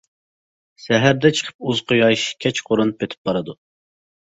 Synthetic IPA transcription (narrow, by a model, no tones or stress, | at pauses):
sɛɦæɾd̪ɛt͡ʃʰə̥qʰə̥p̚uzqʰojɑjʃkʲʰɛt͡ʃqʰoɾunɨpet̪ʰɪ̥p̚b̥ɑɾɨd̪u